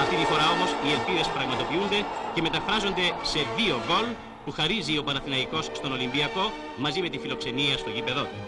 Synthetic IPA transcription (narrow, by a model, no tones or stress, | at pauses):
ɐft̪it̪ifo̞ɾɐo̞mo̞sie̞lpiðe̞spɾɐɣmɐt̪o̞piund̪e̞ce̞me̞t̪ɐfɾɐzo̞nd̪e̞se̞ðio̞ɣo̞l | puxɐɾizio̞pɐnɐθinɐiko̞sst̪o̞no̞limbiɐko̞ | mɐzime̞t̪ifilo̞kse̞niɐst̪o̞ʝipe̞ðo̞t̪u̥